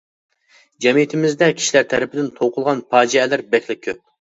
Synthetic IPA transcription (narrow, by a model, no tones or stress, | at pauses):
d͡ʒɛmijit̪ʰɪmɪzd̪ɛkʲʰi̥ʃilæɾt̪ʰɛɾɪpʰɪd̪ɪnt̪ʰoqʰʊlˠʁɑnpʰɑːd͡ʒiɛlɪɾbɛkʲlɪkʲʰːøp̚